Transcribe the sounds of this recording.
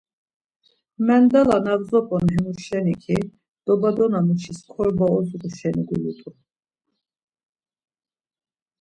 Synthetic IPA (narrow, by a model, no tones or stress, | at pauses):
mɛnd̪alanavzɔpʼɔnɦɛmuʃɛnikʰi | d̪̥ɔbad̪ɔnamut͡ʃʰiskʰɔɾbaɔzuɾuʃɛniɡulit̪ʼu